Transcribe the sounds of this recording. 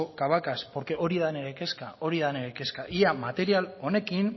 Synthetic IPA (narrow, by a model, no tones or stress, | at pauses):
okaβ̞akaspo̞ɾke̞ʔo̞ɾiðane̞ɾe̞ke̞skao̞ɾiðane̞ɾeke̞skaʔiamat̪e̞ɾialo̞ne̞kin